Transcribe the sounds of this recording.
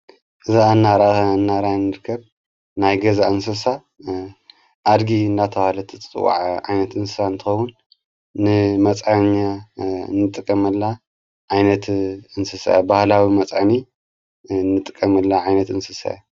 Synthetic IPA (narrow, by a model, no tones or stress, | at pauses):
ʔɨzaɨnːaɾaɨnːaɾanːɨɾkʰːɐb̚ | najɡɐzaɨnsɐsa | ʔad̪ɡiɨndat̪ʰɐβalɐt̪ʰɨt͡sʼɨ̰wa̰ʕʕajnɐt̪ɨnsɨsant̪ʰɨxɐwːunː | ɨmɐt͡sʼʕaɲːa̰nːɨt̪ʼɨkʼːɐmɐlːa | ʕajnɐt̪ɨnsɨsa̰jabahlawimɐt͡sʼʕani | nːɨt̪ʼɨkʼːɐmɐlːaʕajnɐt̪ɨnsɨsa̰ja